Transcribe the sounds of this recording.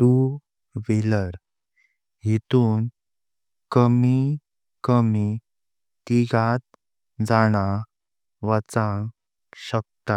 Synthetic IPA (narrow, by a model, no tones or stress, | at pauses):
ʈu | ʋiləɾ | ɦit̪uːn | kəmi | kəmi | t̪iɡat̪̚ | d͡zaɽ̃a | ʋat͡sãŋ | ɕək̚t̪a